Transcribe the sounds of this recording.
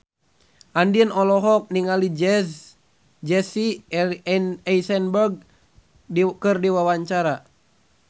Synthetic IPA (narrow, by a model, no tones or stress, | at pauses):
ʔandiənɔlɔɦɔk̚niŋalid͡ʒɛs | d͡ʒɛsi | nɛisɛnbɛrɡ̚ | kɨrdiwawaɲt͡ʃaɾa